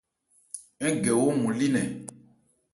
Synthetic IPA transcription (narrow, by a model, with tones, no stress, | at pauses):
ɛ˦ɡe˨wo˦mũ˨li˦nɛ̃˨